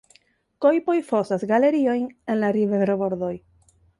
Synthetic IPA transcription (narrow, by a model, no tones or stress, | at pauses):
ko̞jpo̞jfo̞sasɡale̞ɾio̞jne̞nlaɾiveɾobo̞ɾd̪o̞j